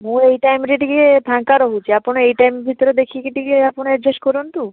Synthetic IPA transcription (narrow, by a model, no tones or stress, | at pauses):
mũejʈajmɾiʈiɡiepʰãŋkaɾoɦut͡ʃʰiapunejʈajmbʱit̪oɾed̪ekʰikiʈiɡieapuned͡ʑeʃkoɾunt̪u